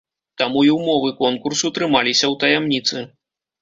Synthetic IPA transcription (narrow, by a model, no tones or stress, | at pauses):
t̪amuiwmɔvɨkɔnkursut̪ɾɨmalʲisʲɐwt̪ɐjamnʲit̪sɨ